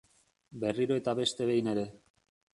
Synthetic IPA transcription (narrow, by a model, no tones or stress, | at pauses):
be̞riɾoe̞t̪aβe̞st̪e̞βe̞jne̞ɾe̞